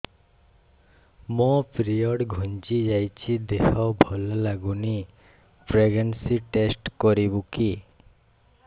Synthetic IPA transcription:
mopɾiɔɽɡʱɔnt͡ʃid͡ʒajt͡ʃʰid̪ehɔbʱɔlɔlaɡuni | pɾeɡensiʈesʈkɔɾibuki

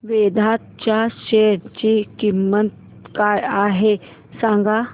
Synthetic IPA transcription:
ʋed̪ʱat̪̚t͡ɕjaɕeɽt͡ɕikimːət̪̚ | kajaɦe | sãŋɡa

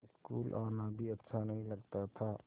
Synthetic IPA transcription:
ɪskṵːlʔaːnabʱiɐtːʃʰanɐɦĩlɐɡt̪at̪ʰaː

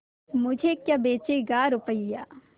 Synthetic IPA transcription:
mʊd͡ʒʱekjabeːt͡ʃeɡaːɾʊpəijaː

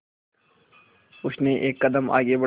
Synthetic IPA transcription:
ʊsneʔeːkːɐd̪əmʔa̰ːɡebɐ

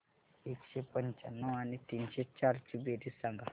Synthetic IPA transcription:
ekɕepəɲt͡ɕanːəanit̪inɕet͡ɕaɾt͡ɕibeɾisaŋɡa

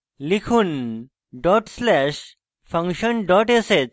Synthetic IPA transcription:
likʰuːn | ɖɔʈslɛɕ | fə̃ŋkɕənɖɔʈeset͡s

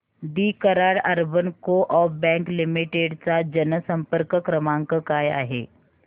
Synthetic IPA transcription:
d̪iːkəɾaːɽɐɾbənkoʔɔːbɛ̃ːŋklɪmɪʈeːɖt͡ʃad͡ʒɐnəsə̃mpəɾkəkɾəmãːŋkəkaːja̰ːɦḛː

